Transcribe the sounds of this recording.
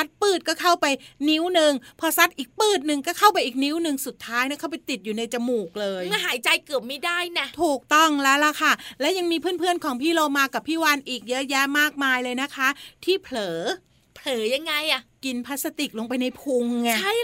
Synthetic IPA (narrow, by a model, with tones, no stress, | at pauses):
sa˦˥t̪̚pɯː˥˩t̪̚kɔː˥˩kʰa˥˩wpa˧jni˦˥wnɯ˧ŋpʰɔ˧sa˦˥t̪̚ʔiː˨˩k̚pɯː˥˩t̪̚nɯ˨ŋkɔː˥˩kʰa˥˩wpa˧jʔiː˨˩k̚ni˦˥wnɯ˧ŋsu˨˩t̪ʰːaː˦˥jna˦˥˩kʰa˥˩wpa˧jt̪i˨˩t̪̚juː˨˩na˧jt͡ɕa˧muː˨˩k̚lɤː˧ja˥˩ɦaː˩˦jt͡ɕa˧jkɯ˨˩əp̚ma˥˩jdaː˥˩jna˧˥˩t̪ʰuː˨˩k̚t̪ɔ˥˩ŋlɛː˦˥la˧˩kʰa˥˩lɛ˦˥wja˧ŋmiː˧pʰɯ˥˩npʰɯ˥˩ənkʰɔː˩˦ŋpʰiː˥˩loː˧maː˧ka˨˩pʰːiː˥˩waː˧nʔiː˨˩k̚jɤ˦˥jɛ˦˥maː˥˩k̚maː˧jlɤː˧jna˦˥kʰa˦˥ʔt̪ʰiː˥˩pʰlɤː˩˦ | pʰlɤː˩˦ja˧ŋːa˧jʔa˨˩ki˧npʰa˦˥t̪̚sa˧t̪i˨˩k̚lo˧ŋpa˧jna˧jpʰu˧ŋːa˧˩a˥˩